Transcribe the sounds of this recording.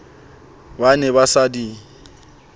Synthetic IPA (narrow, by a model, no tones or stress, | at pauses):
banɛβasadi